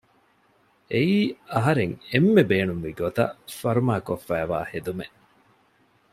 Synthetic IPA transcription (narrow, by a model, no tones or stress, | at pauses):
ʔeiːɐɦɐɾeŋemːebeːnumʋiɡot̪ɐ̰fɐɾumaːkofːæːʋa̰ːhed̪ume